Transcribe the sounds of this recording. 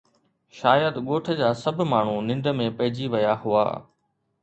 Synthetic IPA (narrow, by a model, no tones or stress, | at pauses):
ʃaːjəd̪ɠoːʈʰə̆d͡ʑaːsɐbʱmaːɳ̤unɪ̃ɳɖəmẽpɐɦɪd͡ʑiʋɐjaɦʊa̰ː